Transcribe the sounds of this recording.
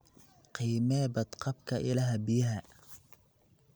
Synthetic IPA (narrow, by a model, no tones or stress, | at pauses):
qiːmɛːbɐd̪qʰɑbkʰɐʔɪlɐɦɐbɪjɐɦɐ